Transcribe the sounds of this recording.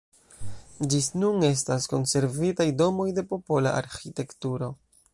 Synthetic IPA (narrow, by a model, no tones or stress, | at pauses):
d͡ʒisnune̞s̬tasko̞nse̞ɾvitajdo̞mo̞jde̞po̞po̞la̰ʔa̰ɾxite̞ktuɾo̞